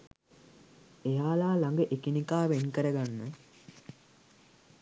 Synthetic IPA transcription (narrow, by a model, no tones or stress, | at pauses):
ejaːlaːlaŋɡəʔekinikaːʋenkəɾəɡanːə